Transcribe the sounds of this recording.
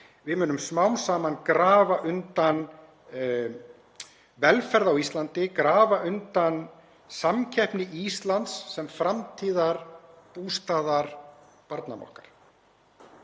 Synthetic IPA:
vɪmʏːnʏmsmawnsaːmankɾaːvaʔʏnt̪an | vɛlfɛɾðawist̪lant̪ɪkɾaːvaʔʏnt̪an | samcʰɛhpnɪʔist̪lant̪sːɛmfɾamt̪ʰiːðaɾpuːst̪aːðaɾ | paɾt̪na̰mɔ̰hkaɾ̥

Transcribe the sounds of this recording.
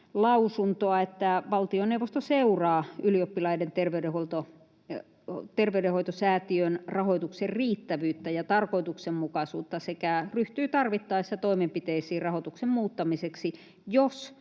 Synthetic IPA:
lɑusunt̪oɑet̪ːæʋɑlt̪ioneuʋost̪oseurɑːyliopːilɑident̪erʋeyɾeholt̪o | t̪erʋeydehoit̪osæːt̪iønrɑhoit̪ukserriːt̪ːæʋyːt̪ːæjɑt̪ɑrkoit̪uksemmukɑsuːt̪ːɑsekæryht̪yːt̪ɑrʋit̪ːɑːsit̪æt̪oimempit̪eisiːrɑhot̪uksemmuːt̪ːɑmiseksi | jos

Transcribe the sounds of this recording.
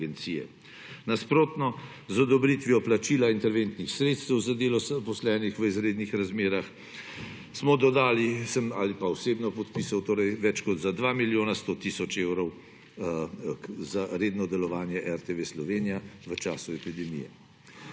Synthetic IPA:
ɡɛnt̪siːjɛ̰ | naspɾoːt̪nɔ | zɔd̪ɔbɾit̪ʋiɔplat͡ʃilaint̪ɛɾʋeːnt̪nixsɾet̪st̪ɛwzad̪eːlɔzpɔslɛːnixʋəizɾeːd̪nixɾazmeːɾax | smɔd̪ɔd̪aːlisəmalipaɔseːbnɔpɔt̪pisawt̪oːɾɛjʋɛt͡ʃkɔd̪zad̪ʋaːmiljoːnast̪ot̪isɔt͡ʃewɾɔw | zaɾeːd̪nɔd̪ɛlɔʋaːnjɛʔɛɾt̪eʋeːslɔʋeːnijaʋət͡ʃaːsuɛpid̪ɛmḭjɛ̰

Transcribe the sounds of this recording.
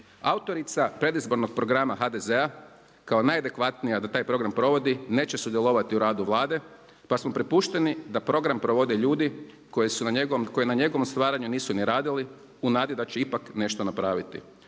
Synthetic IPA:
aut̪o̞ɾit̪sapɾe̞d̪izbo̞ɾno̞ɡ̚pɾo̞ɡɾamaɦad̪e̞zea | kao̞najad̪e̞kʋat̪nijad̪at̪aːjpɾo̞ɡɾampɾo̞ʋo̞d̪ine̞ːt͡ɕesud̪jelˠo̞ʋat̪iuɾaːd̪uʋlˠaːd̪e̞ | pasmopɾipuːʃt̪e̞nid̪apɾo̞ɡɾampɾo̞ʋo̞d̪eʎuːd̪i | kojesunaɲeɡoʋomko̞jenaɲe̞ɡo̞ʋomst̪ʋaːɾaɲuniːsuniɾaːd̪ili | unaːd̪id̪at͡ɕeipakne̞ʃt̪o̞napɾaːʋit̪ḭ

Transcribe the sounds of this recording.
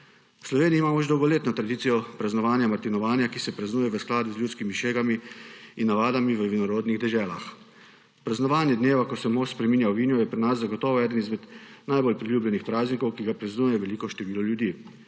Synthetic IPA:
wslɔʋeːniːmaːmɔʒd̪ɔwɡɔleːt̪nɔt̪ɾad̪iːt̪sijɔpɾaznɔʋaːnjamaɾt̪inɔʋaːnjakisɛpɾaznuːjɛʋəsklaːd̪uzljuːskimiʃeːɡamiinːaʋaːd̪amiʋəʋinɔɾoːd̪niɣd̪ɛʒɛːlax | pɾaznɔʋaːnjɛd̪neːʋakɔsɛmospɾɛmiːnjawʋiːnjɔjɛpɾinaszaɡɔt̪ɔːʋɔɛːd̪ənizmɛd̪najbolpɾilʲjuːblɛnixpɾaːznikɔwkiɡapɾaznuːjɛʋɛliːkɔʃt̪ɛʋiːlɔljud̪iː

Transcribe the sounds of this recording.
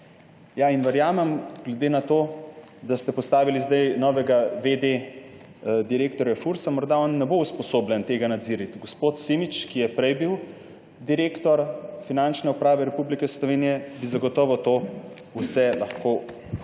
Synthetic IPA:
jainʋɛɾjaːmɛmɡ̥lɛd̪eːnat̪oː | d̪ast̪ɛpɔst̪aːʋilizd̪ajnɔʋɛɡaʋed̪e | d̪iɾeːkt̪ɔɾjafuɾsamɔɾd̪aɔnːɛbouspɔsoːblʲɛnt̪eːɡanad̪ziːɾit̪ɡospoːt̪simit͡ʃkijɛpɾɛjbiw | d̪iɾeːkt̪ɔɾfinant͡ʃnɛupɾaːʋɛɾɛpublikɛslɔʋeːnijɛbizaɡɔt̪ɔːʋɔwt̪oː | usɛlaxko

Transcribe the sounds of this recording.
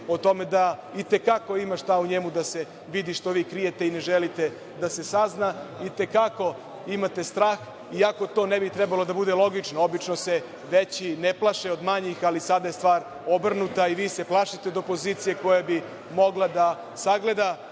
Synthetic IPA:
ot̪o̞me̞d̪ait̪e̞kako̞imaʃt̪auɲemud̪ase̞ | ʋid̪iʃt̪o̞ʋiːkɾije̞t̪eine̞ʒelit̪e̞ | d̪ase̞saznait̪e̞kako̞ | imat̪e̞st̪ɾaːx | iako̞t̪o̞ːnebit̪ɾɛbalo̞d̪abud̪e̞lˠo̞ɡit͡ʃnoobit͡ʃnose | ʋet͡ɕineplˠaʃeo̞d̪maɲixalisad̪ajest̪ʋaːɾ | o̞br̩nut̪aiʋiːse̞plˠaʃit̪eod̪opo̞ziːt̪sije̞ko̞jabi | mo̞ɡlˠad̪a | saɡle̞d̪a

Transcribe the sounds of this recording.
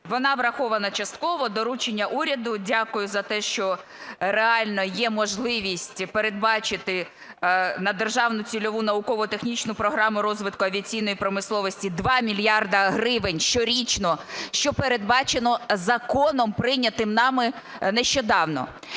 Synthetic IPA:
ʋɔnɑʋɾɐxɔʋɐnɐt͡ʃɐst̪̚kɔʋɔd̪ɔɾut͡ʃenʲːɐʔuɾʲɐd̪ʊdʲakʊjʊzɐt̪ɛʃt͡ʃɔ | ɾeɑlʲnɔjɛmɔʒlˠɪʋʲisʲtʲpeɾe̞d̪bɑt͡ʃɪt̪ɪ | nɐd̪erʒɑwnʊt͡sʲilʲɔʋunɐʊkɔʋɔt̪e̞xnʲit͡ʃnʊpɾɔɦɾɑmʊɾɔzʋɪt̪kʊɐʋʲiɐt͡sʲijnɔjipɾɔmɪslˠɔʋɔsʲtʲid̪ʋɑmʲilʲjɑrd̪ɐɦɾɪʋɪnʲʃt͡ʃɔɾʲit͡ʃnɔʃt͡ʃɔpeɾe̞d̪̚bɑt͡ʃenɔzɐkɔnɔmpɾɪnʲɐt̪ɪmnɑmɪ | nɛʃt͡ʃɔd̪ɑwnɔ̰

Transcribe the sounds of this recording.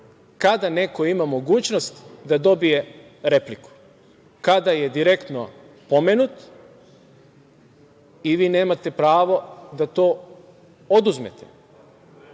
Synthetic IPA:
kad̪ane̞ko̞imamo̞ɡuːt͡ɕno̞st̪d̪ad̪o̞bije̞ | ɾe̞pliku̥ | kad̪aje̞d̪iɾe̞kt̪no̞̰ | pomenut̪ | iʋiːne̞ːmat̪e̞pɾaːʋo̞d̪at̪o̞ː | od̪uzme̞̰t̪e̥̰

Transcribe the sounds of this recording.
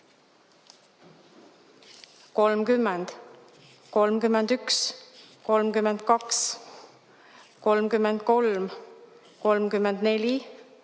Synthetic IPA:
ko̞lmkymːend̪̥ | ko̞lmkymːend̪yks | ko̞lmkymend̪̥kɑks | ko̞lmkymːend̪̥̚ko̞lm | ko̞lmkymːend̪ne̞lʲi

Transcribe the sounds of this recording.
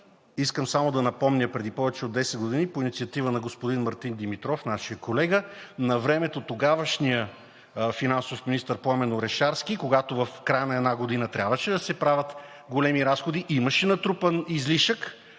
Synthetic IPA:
iskəmsamod̪ɐnɐpɔmnʲəpɾɛd̪ipɔvɛt͡ʃɛod̪ːɛsɛd̪̚ɡod̪inipoinit̪siɐt̪ivənɐɡospod̪inmɐɾt̪ind̪imit̪ɾɔfnaʃijəkolɛɡənɐvɾɛmɛt̪ot̪oɡavəʃnijə | finansofminist̪əɾpoamɛnoɾɛʃaɾsk̟ikoɡat̪ovɐfkɾajənɐɛd̪naɡod̪inət̪ɾʲabvəʃɛd̪ɐsɛpɾavʲɐt̪ | ɡolɛmiɾasxod̪iʔimɐʃɛnɐt̪ɾupənizliʃək

